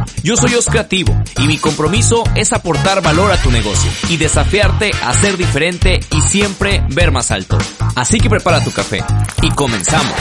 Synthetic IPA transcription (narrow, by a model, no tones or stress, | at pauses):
ɟ͡ʝo̞so̞jo̞skɾe̞at̪iβo̞̰imiko̞mpɾo̞miso̞e̞sapo̞ɾt̪aɾβalo̞ɾat̪une̞ɣ̞o̞sjo̞̰iðe̞safjaɾt̪e̞a̰se̞ɾðife̞ɾe̞nt̪e̞isje̞mpɾe̞βe̞ɾmasa̰lt̪o̞̰asike̞pɾe̞paɾat̪ukafe̞̰iko̞mẽ̞nsamo̰s